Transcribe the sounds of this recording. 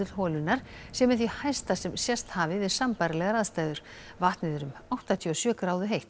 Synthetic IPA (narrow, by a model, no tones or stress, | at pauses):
ʏl̥hɔːlʏnaɾ̥sjɛmɛθihajst̪asɛmsjɛst̪haːvɪvɪðsampaɾɪlɛɣaɾaðst̪aːjðʏɾ̥ | vaht̪nɪðʏɾʏmawht̪at̪ʰjiɔsjœːkɾaːwðʏɦejht̪